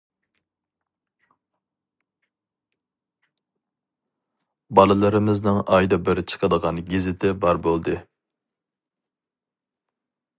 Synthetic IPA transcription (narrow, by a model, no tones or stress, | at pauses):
bɑlˠɨlˠɨɾɪmɪznɨŋɑjd̪ɑbɪɾt͡ʃʰə̥qʰəd̪əʁɑnɡʲizɪt̪ʰɪbɑɾbolˠd̪ɨ